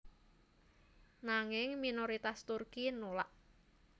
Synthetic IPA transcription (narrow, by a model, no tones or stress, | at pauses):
naŋɪŋminoɾit̪ast̪urkinulaʔ